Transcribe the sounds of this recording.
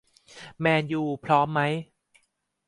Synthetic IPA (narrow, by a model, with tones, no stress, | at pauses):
mɛː˧njuː˨˧˩pʰɾɔː˦˥mːa˦˥j